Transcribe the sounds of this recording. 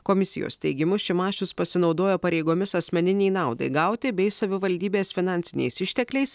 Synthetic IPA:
koːmʲɪsʲɪ̰jo̰ːst̪ʲɛɪɡʲɪmʊʃʲɪmɑːʃʲʊspɐsʲɪnɒʊd̪oːjoːpɐɾʲɛɪɡoːmʲɪsɐsʲmʲɛnʲɪnʲɛɪnɑˑʊd̪ɐ̰ɪɡɐʊt̪ʲɪbʲɛɪsɐʋʲɪʋɐlʲd̪ʲiːbʲeːsfʲɪnɑːˑnʲsʲɪnʲɛ̰ɪsɪʃʲt̪ʲɛklʲɛɪs

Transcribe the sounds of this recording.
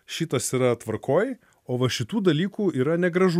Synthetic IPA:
ʃʲit̪ɐsiːɾɐt̪ʋɐɾkʰoːj | oːʋɐʃʲɪt̪uːd̪ɐlʲiːkuːiːɾɐnʲɛɡɾɐʒu

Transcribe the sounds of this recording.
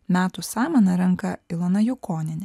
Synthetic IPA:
mʲæːt̪usɑːmɐnɐɾɐŋˑkɐɪlˠɐnɐjʊkoːnʲɪnʲɛ

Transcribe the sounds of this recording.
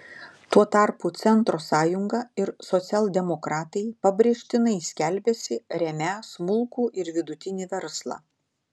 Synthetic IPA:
t̪uɔt̪ɑˑɾput̪sʲɛnt̪ɾoːsɑːjʊŋɡɐɪɾsɔt̪sʲɛlˠd̪ʲɛmɔkɾɑːt̪ɐɪpɐbʲɾʲɛʃʲt̪ʲɪnɐɪsʲkʲɛlʲbʲɛsʲɪɾʲɛmʲæːsmʊlˠˑkuːʔɪɾʋʲɪd̪ʊt̪ʲɪnʲiːʋʲɛɾslˠɑ̰ː

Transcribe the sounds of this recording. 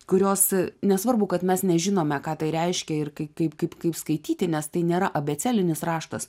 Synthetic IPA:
kʊɾʲoːsnʲɛsʋɐrbʊkɐt̪mʲɛsnʲɛʒʲɪnoːmʲɛkɑːt̪ɐɪɾʲɛɪʃʲkʲɛɪrkɐɪkɐɪpkɐɪpkɐɪpskɐɪt̪ʲiːt̪ʲɪnʲɛst̪ɐɪnʲeːɾɐʔɐbʲɛt͡sʲæːlʲɪnʲɪsrɑːʃt̪ɐs

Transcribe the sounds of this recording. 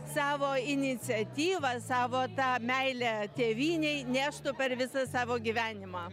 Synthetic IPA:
sɑːʋoːɪnʲɪt͡sʲɛt̪ʲiːʋɐsɑːʋoːt̪ɑːmʲɛɪlʲæt̪ʲeːʋʲiːnʲɛɪnʲæːʃt̪ʊpʲɛɾʋʲɪsɐsɑːʋoːɡʲiːʋʲæːnʲɪmɑː

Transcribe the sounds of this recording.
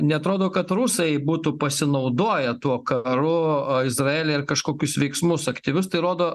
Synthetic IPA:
nʲɛɐt̪ɾoːd̪oːkɐt̪ruːsɐbuːt̪uːpɐsʲɪnɐʊd̪oːjɛt̪uɔkɐɾʊɪzɾɐeːlʲeːɪrkɐʃkoːkʲʊsʋʲɛɪksmʊsɐkt̪ʲiʋʲʊst̪ɐɪɾoːd̪oː

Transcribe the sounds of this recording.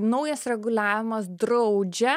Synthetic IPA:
nɐʊjɐsɾʲɛɡʊlʲæːʋʲɪmɐsd̪ɾɐʊd͡ʒʲɛ

